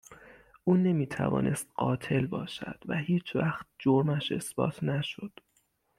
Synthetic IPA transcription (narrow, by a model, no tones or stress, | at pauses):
ʔuːne̞miːt̪ʰæ̰vɒ̰ːnʔe̞st̪̚ɢɒːt̪ʰe̞lbɒːʃæ̰d̪̥væhiːt͡ʃʰvæxt̪̚d͡ʒoɾmæʃe̞̰sb̥ɒ̰ːt̪ʰnæʃo̞d̪̥